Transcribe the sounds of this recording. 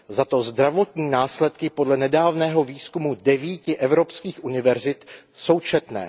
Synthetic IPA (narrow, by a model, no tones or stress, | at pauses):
zat̪o̞zd̪ɾavo̞t̪ɲiːnaːslɛt̪kɪpo̞dlɛnɛdaːvnɛːɦo̞viːskumudɛviːcɪʔɛvɾo̞pskiːxʔunɪvɛɾzɪt̪ | so̞wt͡ʃɛt̪nɛ̰ː